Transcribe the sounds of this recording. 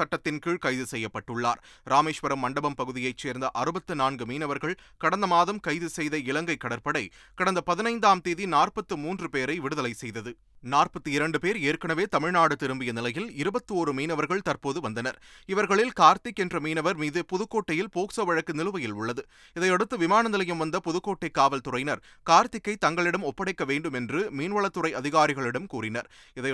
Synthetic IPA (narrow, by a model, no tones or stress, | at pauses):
sɐʈːɐt̪ːɪnkiːɻkɐɪðɯsɛjːɐpːɐʈːɯɭːa̰ːɾɾaːmeːʂʋɐɾɐmːɐɳɖɐbɐmpɐɣɯðɪjɐɪt͡ʃːeːɾnd̪ɐʔɐɾɯbɐt̪ːɯnaːnɡɯmiːnɐʋɐɾɣɐɭ | kɐɽɐnd̪ɐmaːðɐmkɐɪðɯsɛjðɐɪlɐŋɡɐɪkːɐɽɐɾpɐɽɐɪkɐɽɐnd̪ɐpɐðɪnɐɪnd̪aːmt̪eːðinaːrpɐt̪ːɯmuːndrɯpeːɾɐɪʋɪɽɯðɐlɐɪsɛjðɐðɯ | naːrpɐt̪ːɯɪɾɐɳɖɯpeːɾeːrkɐɳɐʋeːt̪ɐmɪɻnaːɽɯt̪ɪɾɯmbɪjɐnɪlɐjɪlɪɾɯbɐt̪ːɯoːɾɯmiːnɐʋɐɾɣɐɭt̪ɐrpoːðɯʋɐnd̪ɐnɐɾɪʋɐɾɣɐɭɪlkaːɾt̪ɪkːɛndrɐmiːnɐʋɐɾmiːðɯpɔðɯkːoːʈːɐjɪlpoːksɐʋɐɻɐkːɯnɪlɯʋɐjɪlʊɭːɐðɯ | ɪðɐɪɐɽɯt̪ːɯʋɪmaːnɐnɪlɐjɯmʋɐnd̪ɐpɔðɯkːoːʈːɐɪkːaːʋɐlt̪ʊrɐɪnɐɾkaːɾt̪ɪkːɐɪt̪ɐŋɡɐɭɪɽɐmɔpːɐɽɐɪkːɐʋeːɳɖɯmɛndrɯmiːnʋɐɭɐt̪ːɯrɐɪɐðɪɣaːɾɪɣɐɭɪɽɐmkuːrɪnɐ̰ɾ | ɪðɐɪ